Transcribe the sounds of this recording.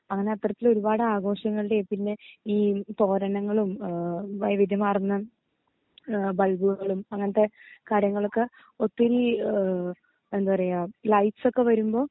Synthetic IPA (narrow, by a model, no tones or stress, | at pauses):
ɐŋːɐne̞ɐt̪ːrɐt̪ːilo̞ɾubaːɽɨaːɣo̞ːɕɐŋːɐɭiɽe̞pinːe̞iːt̪o̞ːɾɐnɐŋːɐɭumʋɐjɐʋid̪ʱjɐmaːrinːɐ | bɐlbuɣɐɭumɐŋːɐnɐt̪ːe̞kaːɾjɐŋːɐɭo̞kːe̞ | ot̪ːiɾi | e̞nd̪upɐrejaːlɐjʈso̞kːe̞ʋɐɾumbo̞ː